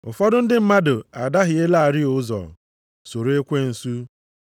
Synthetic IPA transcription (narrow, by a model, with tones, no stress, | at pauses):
ʊ̰˨fɔ˦dʊ˦n̩˦dɪ˦m̩˦ma˦dʊ˨a˨da˦ɦɪ˨e˦la˦a˨ɾɪ˦ʊ˦zɔ̰˨ | so˨ɾe˦kʷe˦n̩˨su˦